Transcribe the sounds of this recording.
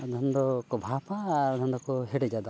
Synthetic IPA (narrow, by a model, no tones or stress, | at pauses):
d̪ʱɔnd̪ɔkɔbʱapaːɾd̪ʱɔnd̪ɔkɔɦeɽed͡ʒad̪a